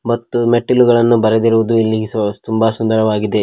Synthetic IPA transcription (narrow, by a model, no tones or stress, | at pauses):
mɐt̪ːumeʈːiluɡɐɭɐnːubɐɾed̪iɾuʋud̪uilːiɡet̪umbasund̪ɐɾɐʋaːɡid̪e̞